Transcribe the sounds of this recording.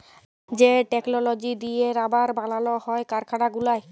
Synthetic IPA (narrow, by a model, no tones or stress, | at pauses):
zɛʈɛknɔlɔd͡ʒidieɾabaɹbalalɔhɔjkaɹkʰaɽaɡulaj